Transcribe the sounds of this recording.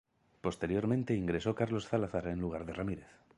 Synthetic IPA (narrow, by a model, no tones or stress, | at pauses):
po̞st̪e̞ɾjo̞ɾmẽnt̪eiŋɡɾe̞so̞kaɾlo̞sθalaθaɾenluɣ̞aɾðeramiɾe̞θ